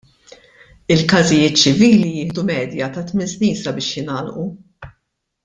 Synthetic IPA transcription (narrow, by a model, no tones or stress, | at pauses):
ɪlkɐzɪjɪːt̪̚t͡ʃɪviːlijɪːhd̪umɛːd̪jɐt̪ɐt̪mɪnsniːnsɐbɪːʃjɪnɐːlʔu